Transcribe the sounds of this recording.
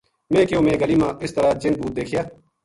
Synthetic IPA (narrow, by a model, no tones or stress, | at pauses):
mẽːkeoːmẽːɡəliːmãːʔɪst̪əɾaːd͡ʒɪn̚buːt̪̚d̪eːkʰjaː